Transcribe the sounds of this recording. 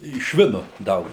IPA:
ɪ ˈʃʲʋʲɪnʊ ˈdɐʊk

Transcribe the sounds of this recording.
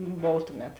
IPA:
ˈboːw ˈtʊˌmʲɛt

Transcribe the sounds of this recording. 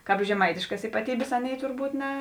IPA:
ˈkɑːp ʒʲɛˈmɐɪtʲɪʃkɐs iːpɐˈtʲiːbʲeːs ˈɑːˌnʲeːɪ tʊrˈbuːt nʲɛ

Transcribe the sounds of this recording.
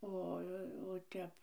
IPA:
ˈoː oː ˈtʲɛp

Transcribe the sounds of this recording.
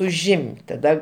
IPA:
ʊˈʒʲɪmʲtʲ tɐˈdɐ

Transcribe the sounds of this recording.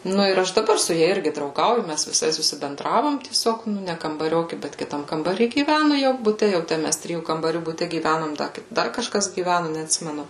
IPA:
ˈnʊ ɪr ˈɐʃ dɐˈbɐr sʊ ˈjɛ ˈɪrʲɡʲɪ drɐʊˈɡɐʊjʊ ˈmʲæs ʋʲɪˈsɐɪ sʊsʲɪbʲɛnˈdrɑːʋoːm tʲiɛˈsʲoːk ˈnʊ ˈnʲɛ kɐmbɐˈrʲoːkʲɪ ˈbʲɛt kʲɪˈtɐm kɐmbɐˈrʲiː ɡʲiːˈʋʲænʊ jɛʊ bʊˈtʲɛ ˈjɛʊ tʲæː ˈmʲæs ˈtʲrʲɪjuː kɐmbɐˈrʲuː bʊˈtʲɛ ɡʲiːˈʋʲænoːm dɐ ˈdɐr kɐʃˈkɐs ɡʲiːˈʋʲænʊ nʲɛɐtʲˈsʲɪmʲɛnʊ

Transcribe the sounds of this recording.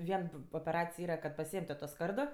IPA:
ˈʋʲiɛn oːpʲɛˈrɑːt͡sʲɪj ˈiːrɐ kɐt pɐˈsʲiɛeːm tʊ toː ˈskɐrdoː

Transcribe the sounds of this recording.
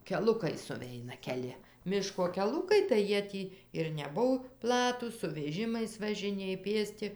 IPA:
kʲɛˈlˠʊkɐɪ sʊˈʋʲɛɪnɐ kʲɛˈlʲɪ ˈmʲɪʃkoː kʲɛˈlˠʊkɐɪ tɐɪ ˈjiɛ ˈtʲiː ɪr nʲɛˈbʊw ˈplˠɑːtuːs sʊ ʋʲɛˈʒʲɪmɐɪs ʋɐʒʲɪˈnʲeːj ˈpʲeːsʲtʲɪ

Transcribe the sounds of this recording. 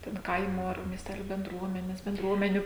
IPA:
tʲɛn ˈkɐɪmoː ɐr mʲiɛsʲˈtʲæːlʲʊ bʲɛnˈdruɔmʲɛnʲɛs bʲɛnˈdruɔmʲɛnʲʊ

